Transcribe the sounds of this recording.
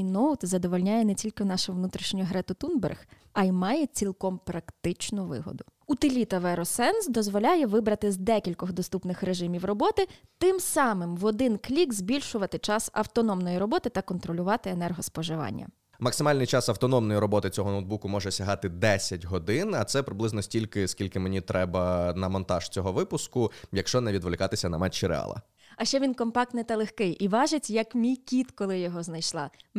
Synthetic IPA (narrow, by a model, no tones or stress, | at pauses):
nowt̪zɐd̪ɔʋɔlʲnʲajɛnɛt͡sʲilʲkɪnɑʃɛʋnut̪ɾʲiʃnʲɔɦɾɛt̪ʊt̪unbɛ̰rx | ɐjimɑjɛt͡sʲilʲˠkɔmpɾɐkt̪ɪt͡ʃnʊʋɪ̰ɦɔ̰d̪ʊut̪ɪlʲit̪ɐʋɛɾɔsɛnsd̪ɔzʋɔlʲajɛʋɪbɾɐt̪ɪzd̪ɛkʲilʲkɔɣd̪ɔst̪upnɪxɾeʒɪmʲiwrɔbɔt̪ɪt̪ɪmsɑmɪmʋɔd̪ɪnklʲikzʲbʲilʲʃʊʋɐt̪ɪt͡ʃɑsɐ̰wt̪ɔnɔmnɔjiɾɔbɔt̪ɪt̪ɐkɔnt̪ɾɔlʲʊʋɑt̪ɪenɛrɦɔspɔʒɪʋɑ̰nʲːɐ̰ | mɐksɪmɑlʲnɪjt͡ʃɑsɐwt̪ɔnɔmnɔjiɾɔbɔt̪ɪt͡sʲɔɦɔnowd̪bukʊmɔʒɛsʲɐɦɑt̪ɪd̪ɛsʲɐtʲɦɔd̪ɪnɐt̪sɛpɾɪblˠɪznɔsʲtʲilʲkɪskʲilʲkɪmenʲit̪ɾɛbɐnɐmɔnt̪ɑʒ̥t͡sʲɔɦɔʋɪpʊskʊjɐkʃt͡ʃɔnɛʋʲid̪ʋlˠɪkɑt̪ɪsʲɐnɐmɛt͡ʃːiɾḛɑ̰lˠɐ̰ | ɐʃt͡ʃɛʋʲinkɔmpɑk̚t̪nɪt̪ɐlˠexkɪjʔiʋɑʒɪt͡sʲjɐkmʲijkʲit̪kɔlˠɪjɔɦɔznɐjʃlˠɑ